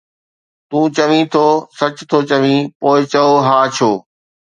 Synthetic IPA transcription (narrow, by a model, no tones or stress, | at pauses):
t̪ũːt͡ɕɐʋĩːt̪ʰoːsɐt͡ɕt̪ʰoːt͡ɕɐʋĩːpoːɪt͡ɕɐoɦaːt͡ɕʰoː